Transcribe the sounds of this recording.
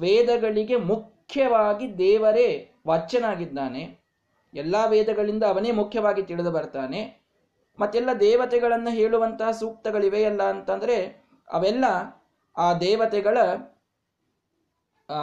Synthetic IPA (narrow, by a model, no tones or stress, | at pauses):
ʋɛːd̪ɐɡɐɭiɡe̞mukʰjɐʋaːɡid̪ɛːʋɐɾe | ʋɐt͡ʃːɐnaːɡid̪ːaːne̞ | ɛlːaːʋɛːd̪ɐɡɐɭind̪ɐːʋɐneːmukʰjɐʋaːɡit̪iɭed̪ubɐɾt̪aːne̞ | mɐt̪ːɛlːɐd̪ɛːʋɐt̪ɛɡɐɭɐnːɐɦe̞ːɭuʋɐnt̪ɐɦɐsuːk̚t̪ɐɡɐɭiʋeɛlːɐːnt̪ɐnd̪ɐɾe̞ | ɐ̰ʋɛlːɐ | aːd̪ɛːʋɐt̪ɛɡɐɭɐ